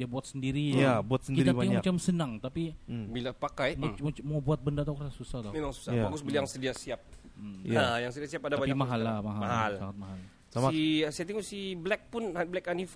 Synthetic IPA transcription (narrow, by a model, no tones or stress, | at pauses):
diabuat̪̚səndiɾijabuat̪səndiɾaimamat͡ʃamsənaŋt̪apibilapakajmomumawbuat̪̚bəndat̪akərasusaht̪omemaŋsu̥sabaɡʊsbəlijaŋsədiasiap̚ | jajaŋsədiasiapadaabapimaɦalːamaɦamaɦalsaŋat̪̚maɦal | samaisiat̪iŋusiblɛk̚pʊnablɛkanif